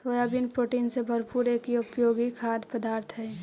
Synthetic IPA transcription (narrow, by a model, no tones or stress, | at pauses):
soːjaːbinpɾoːʈinsebʱɐɾpuːɾekiʊpjoːɡikʰaːd̪pəd̪aːɾt̪ʰɦɛː